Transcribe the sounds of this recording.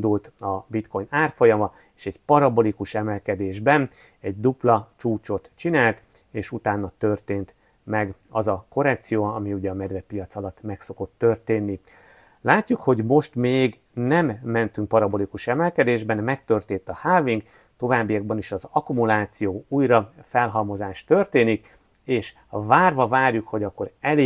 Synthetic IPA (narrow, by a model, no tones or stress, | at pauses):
nd̪ult̪ɒbit̪ko̞jnaːrfo̞jɒmɒ | eːʃɛɟpɒɾɒbo̞likuʃɛmɛlkɛd̪eːʒbɛn | ɛɟd̪uplɒt͡ʃuːt͡ʃo̞t̪t͡ʃinaːlt̪ | eːʃut̪aːnːɒt̪ørt̪eːnt̪ | mɛɡɒzɒko̞ɾɛkt̪sijoːɒmiuɟɛɒmɛd̪vɛpijɒt̪sɒlɒt̪ːmɛkso̞ko̞t̪ːørt̪eːnːi | laːcːukho̞ɟmo̞ʃt̪meːɡ | nɛmːɛnt̪yŋk̚pɒɾɒbo̞likuʃɛmɛlkɛd̪eːʒbɛnmɛkt̪ø̞rt̪eːnt̪ɒhaːviŋɡ | t̪o̞vaːbːijɒɡ̚bɒniʃɒzɒkumulaːt̪sijoːujɾɒfɛlɦɒmo̞zaːʃt̪ø̞rt̪eːnik | eːʃ | vaːrvɒvaːrjukho̞ɟɒkːo̞ɾɛle